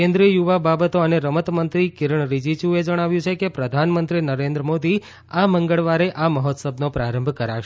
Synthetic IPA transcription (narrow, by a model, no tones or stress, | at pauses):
ẽnd̪ɾiəjuʋababət̪oəneɾəmət̪mənt̪ɾikɪɾəɳɾid͡ʒit͡ʃued͡ʒəɽ̃aʋjũt͡ʃʰekepɾəd̪ʱanmənt̪ɾinəɾẽnd̪ɾəmod̪i | aməŋɡəɭʋaɾeʔaməɦɔt̪səbnopɾaɾəmbʱkəɾaʃ